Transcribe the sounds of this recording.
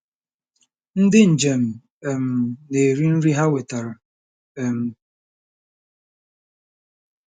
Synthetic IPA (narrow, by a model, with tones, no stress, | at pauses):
n̩˦dɪ˦n̩˨d͡ʒe˨m˨ | ɛ˨m˨ne˨ɾi˦n̩˦ɾi˦ɦa˦we˨ta˨ɾa˨ | ɛ˨m˨